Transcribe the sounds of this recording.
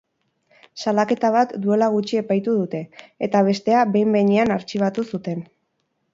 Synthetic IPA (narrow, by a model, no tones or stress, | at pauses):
salake̞t̪aβ̞at̪d̪ue̞laɣ̞ut͡ʃie̞pajt̪uðut̪e̞ːt̪aβ̞e̞st̪e̞aβe̞jmbe̞jɲianaɾt͡ʃiβ̞at̪usut̪e̞n